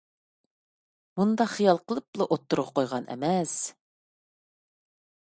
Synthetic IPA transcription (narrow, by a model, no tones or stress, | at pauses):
mund̪ɑχijɑlˠqəlˠɨp̚lˠɑʔot̪ːuɾʁɑqʰojʁɑnʔɛ̰mɛs